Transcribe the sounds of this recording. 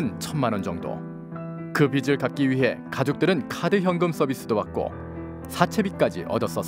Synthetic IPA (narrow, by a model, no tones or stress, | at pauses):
nt͡ɕʰʌnmanʌnd͡ʑʌŋdo̰ | kɯbid͡ʑɯɭkat̚k͈iɥiɦe̞kad͡ʑok̚t͈ɯɾɯnkʰadɯçjʌŋɡɯms͈ʌbis͈ɯdopak̚k͈o̰ | sʰat͡ɕʰe̞bik͈ad͡ʑḭʔʌ̰dʌs͈ʌ